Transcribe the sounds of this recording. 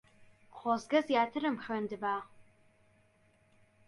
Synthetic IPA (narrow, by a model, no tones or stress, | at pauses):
qʰʷɔːzɡɐzjaːtʰɨɾɨmxɐndɨbaː